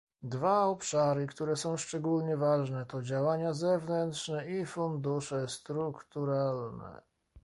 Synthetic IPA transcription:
d̪vaɔpʂaɾɘkt̪uɾɛsɔ̃w̃ʂt͡ʂɛɡulɲɛvaʐnɛt̪ɔd͡ʑawaɲazɛvnɛnt̪ʂnɛifund̪uʂɛst̪ɾukt̪uɾalnɛ̰

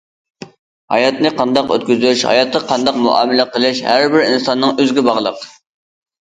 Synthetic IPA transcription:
hɑ̰jɑt̪nɨqʰɑnd̪ɑqø̰t̪̚kʲyzyyʃhɑ̰jɑt̪̚qɑqʰɑnd̪ɑqmuʔɑ̰ːmɪlɪqəlˠɪʃhæɾbɪɾinsɑnːɨŋøzɡʲɛbɑʁlˠəq

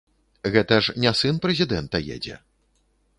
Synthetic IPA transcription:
ɣɛt̪ɐʂnʲasɨnpɾɛzʲid̪ɛnt̪ɐjɛ̰d͡zʲɛ̰

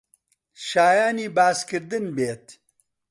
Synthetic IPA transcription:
ʃaːjaːnibaːskɪɾd̪ənbeːt̪

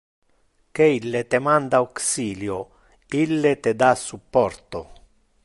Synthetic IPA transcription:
keilːet̪emand̪auksiːljo | ilːet̪ed̪asːupːɔrt̪o

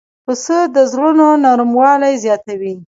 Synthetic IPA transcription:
pəsəd̪əzɽunonɑɾumwɑlajzjɑt̪awi

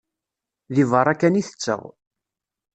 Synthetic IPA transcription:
ðivəɾˤækæniθə̥t͡sːə̰ʁ

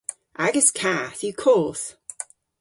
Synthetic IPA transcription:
ʔaɡəzkʰaθjəkʰɔːˑθ

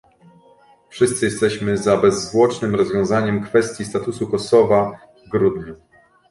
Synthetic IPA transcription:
fʂɘst̪sɘjɛst̪ɛɕmɘzabɛzːvwɔt͡ʂnɘmɾɔzvʲjɔ̃w̃zaɲɛmkfɛst̪ʲjist̪at̪usukɔsɔva | vɡɾud̪ɲu

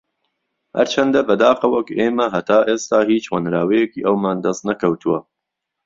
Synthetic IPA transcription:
hɐ̰ɾt͡ʃʰɐnd̪ɐbɐd̪aːqɐwɐkʔeːmɐɦɐt̪ʰaːʔeːst̪aːɦiːt͡ʃwɐnɾaːwɐjɛkiːʔɐwmaːnd̪ɐst̪nɐkʰɐwt̪ʰuwɐ

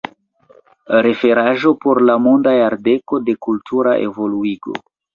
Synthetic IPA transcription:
ɾe̞fe̞ɾaʒo̞poɾlamondajaɾde̞ko̞de̞kultʰuɾaʔḛvo̞luiɡo̞̰

